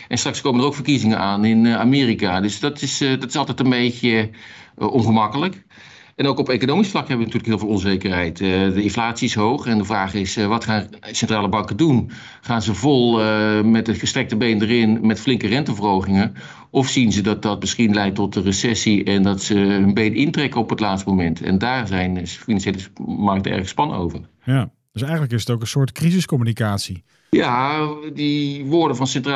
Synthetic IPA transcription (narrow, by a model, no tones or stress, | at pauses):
ɛnstrɑkskowmənərowkfərkizɪŋənʔaːnɪnaːmɪːrikadɵsdɑtɪsdɑtɪsɑlˠtɛjtənbejcə | ɔnχəmɑkələk | ɛnowkɔpekonowmisflɑkɦɛbəʋəntyːləkɦɪːlˠvɪːlˠɔnzejkərɦɛjtdəɪnflaːtsiɪsɦowχɛndəvraːχɪsʋɑtχaːnsɛntraːləbɑŋkədun | χaːnzəvɔlˠmɛtətχəstrɛk̚təbejndərɪnmɛtflɪŋkərɛntəvərɦowχɪŋə | ɔfsinzədɑt̚dɑt̚mɪsχinlɛjtɔt̚ərəsɛsiɛndɑtsəɦɵnbejdɪntrɛkənɔpətlaːtstəmomɛntɛ̰ndaːrzɛjnfinɑnʃjejləmɑrk̚təɛ̰ɹχəspɑno̰wvər | j | d̥əsɛjχənləkɪsətokənsʊːtkrizəskɔmynikaːtsi | jadiʋʊːɹdəvɑnsɛntra